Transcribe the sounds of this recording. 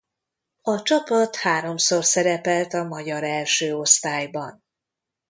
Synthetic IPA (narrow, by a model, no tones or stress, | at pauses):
ɒt͡ʃɒpɒt̪haːɾo̞msorsɛɾɛpɛlt̪ɒmɒɟɒɾɛlʃøːo̞st̪aːjbɒn